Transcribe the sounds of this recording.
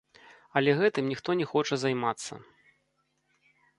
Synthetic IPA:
ɐlʲɛɣɛt̪ɨmnʲixt̪ɔnʲɛxɔt͡ʂɐzajmat̪sːɐ̰

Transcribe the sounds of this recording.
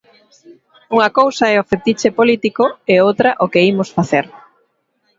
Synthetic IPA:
uŋɐkowsɐaɛʊfet̪it͡ʃepolit̪ikoeowt̪ɾɐʔokeimʊsfaθeɾ

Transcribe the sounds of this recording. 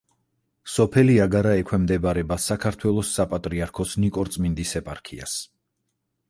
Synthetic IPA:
sɔpʰɛliaɡaɾaɛkʰwɛmd̪ɛbɾɛbasakʰaɾt̪ʰwɛlˠɔsːapʼat̪ʼɾiaɾkʰɔsnikʼɔɾt̪sʼmind̪isɛpʼa̰ɾkʰḭa̰s

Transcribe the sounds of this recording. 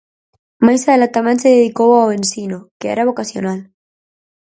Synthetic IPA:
majsaðelat̪amẽnseðeðikowawẽnsinokeɛ̰ɾaβ̞okasjonal

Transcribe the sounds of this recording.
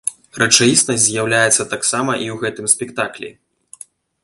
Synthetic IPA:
rɐt͡ʂajisnɐsʲtʲzʲjawlʲajɛt̪sːɐt̪aksamɐʔiwɣɛt̪ɨmsʲpʲɛkt̪aklʲḭ

